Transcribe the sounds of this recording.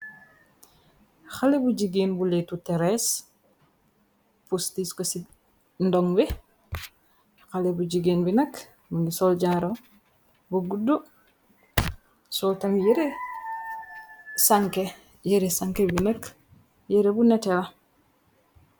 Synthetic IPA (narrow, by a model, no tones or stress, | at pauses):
xalebuɟiɡinbuletutɛɾes | pustiskosi | ndɔŋbi | xalebuɟiɡinbinɐk | munisɔlɟaɾo | buɡudːu | sɔltaŋjɛɾe | saŋke | jɛɾesaŋkebinɐk | jeɾebunɛtɛlɐ